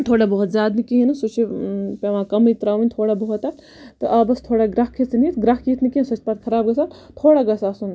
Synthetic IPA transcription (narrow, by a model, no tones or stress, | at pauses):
t̪ʰoːɽabɐɦut̪zʲjaːd̪nikiɦinɨsut͡ʃʰipʲeʋãːkɐmit̪ɾaːʋinʲt̪ʰoːɽabɐɦut̪a | t̪ɨʔɐbɐst̪ʰoːɽaɡɾɐɦkʰit͡snit̪ɡɾaɦkit̪ʰnikinsɐt͡ʃ̪̚pɐt̪̚kʰɐɾaːb̚ɡɐsat̪ʰoːɽaɡɐsaːsun